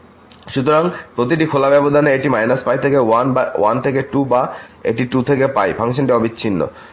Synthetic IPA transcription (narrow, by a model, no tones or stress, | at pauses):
ʃut̪oɾaŋpɾot̪̬iʈikʰolabɛbod̪ʱaneeʈimajnaspajt̪ʰekeanbawant̪ʰekeʈubaḛʈiʈut̪ʰekepajfʰaŋʃ̬onʈiɔbit͡ɕːɕʰinːo̰